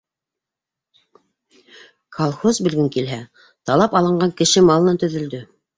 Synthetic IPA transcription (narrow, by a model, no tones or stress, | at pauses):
kʰɑlˠχozbɘ̆ɾɡɘŋkilɦæ | t̪ɑlˠɑpɑlˠɤ̆ɴɢɑŋkɘ̆ʃɘmɑlˠɤ̆nɑt̪ɵ̆ðɵ̆ld̪ɵ